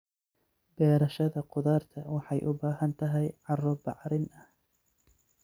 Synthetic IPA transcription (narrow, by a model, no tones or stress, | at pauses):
bɛːɾɐʃɐðɐqʊðaːrt̪ʰɐwɑħɑjʔʊbaːɦɐnt̪ʰɐɦɛjʕɑrɔbɑʕɾɪnɐh